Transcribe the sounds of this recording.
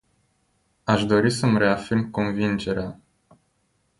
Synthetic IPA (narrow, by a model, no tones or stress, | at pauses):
aʃd̪o̞ɾisəmre̞afirmko̞nvind͡ʒe̞ɾea